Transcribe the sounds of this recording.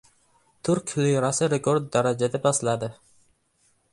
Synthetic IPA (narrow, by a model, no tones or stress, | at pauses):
t̪ʰʊɾkʲlijɾasɪɾekoɾd̪̚ːaɾad͡ʒad̪apʰaslad̪ɪ